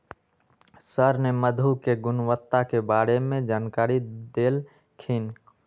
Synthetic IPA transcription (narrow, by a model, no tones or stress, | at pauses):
səɾneməd̪ʱukeɡʊnwət̪ːakebaːɾemẽd͡ʒaːnkaːɾid̪eːl | kʰin